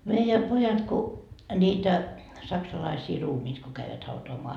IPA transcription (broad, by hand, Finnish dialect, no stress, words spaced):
meijæ pojɑt ku nʲiːtæ sɑksɑlɑisiː ruːmiːt ko kæiʋæt hɑutoɑmoɑ